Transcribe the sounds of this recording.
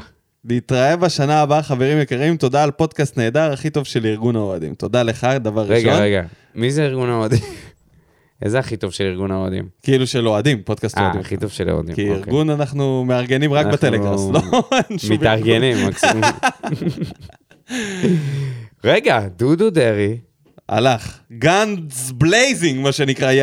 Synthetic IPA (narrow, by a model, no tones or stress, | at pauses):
liːtʁae̞vaʃanaːbaχave̞ʁimjekaʁimto̞daːlpo̞dkast̪ne̞ːd̪aʁaχit̪o̞vʃe̞liʁɡunaoadḭmt̪o̞d̪ale̞χad̪avaʁːiʃɡoeɡa | mizeiʁɡunaoad̪im | ezeaχit̪o̞vʃeliʁɡunaoadḭmkeiluʃelo̞adimpod̪kastoa̰imaχit̪ovʃelo̰a̰d̪ḭkiiʁɡunanaχnumeaʁɡe̞nimʁaknbet̪eleɡamslonʃmiaʁɡenimak | ʁeɡad̪ud̪ud̪eʁi | a̰laχɡanzblejziŋɡmaʃenikʁaj